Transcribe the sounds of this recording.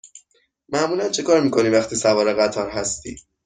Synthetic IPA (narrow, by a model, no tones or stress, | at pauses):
mæʔmuːlænt͡ʃʰekʰɒːɾmiːkʰo̞niːvæχt̪ʰiːsævɒːɾeɣæt̪ʰɒːɾɦæst̪ḭː